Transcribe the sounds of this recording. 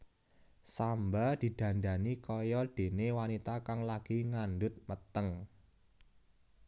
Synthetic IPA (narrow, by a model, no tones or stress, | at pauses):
sambad̪̥i̤d̪̥ä̤nda̤nikɔjɔd̪̥e̤newanit̪akaŋlaɡ̥iŋandʊt̪̚mət̪əŋ